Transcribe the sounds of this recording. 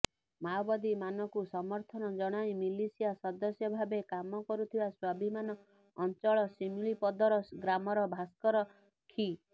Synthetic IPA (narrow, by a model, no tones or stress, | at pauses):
mawbad̪imanɔkusɔmɔɾt̪ʰɔnɔd͡ʒɔɽ̃aj̃milisijasɔd̪ɔsjɔbʱabekamɔkɔɾut̪ʰibaswabʱimanɔː | nt͡ʃɔɭɔsimuɭipɔd̪ɔɾɔɡɾamɔɾɔbʱaskɔɾɔ | kʰi